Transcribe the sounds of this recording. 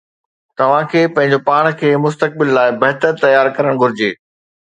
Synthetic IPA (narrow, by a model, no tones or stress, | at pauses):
t̪ɐʋ̤ãkʰeːpɐ̃ɦɪ̃ɲ̆d͡ʑopaːɽ̃kʰeːmʊs̬t̪ək̚bɪlːaːɪbɐɦt̪əɾt̪ɐjaːɾkɐɾəɽ̃ɡʱʊɾɪd͡ʑeː